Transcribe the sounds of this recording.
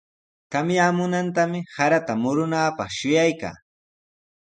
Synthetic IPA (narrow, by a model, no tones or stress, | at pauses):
kamjaːmʊnant̪amɪsaɾat̪amʊɾʊnaːpɑχʃʊjajka̰ː